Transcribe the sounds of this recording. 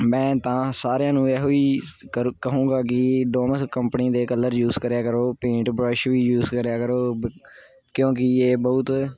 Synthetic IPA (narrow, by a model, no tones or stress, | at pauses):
mɛ̃ːt̪ãːsaːɾejãːnũːɛːɦoːiːəkəɦũːɡaːk̬ɪɖoːməskəmpəniːd̪eːkəlːəɾjuːzkəɾjaːkəɾoːpẽːʈbɾɔʃʋiːjuːzkəɾjaːkəɾoː | kjõːkɪeːbəʊt̪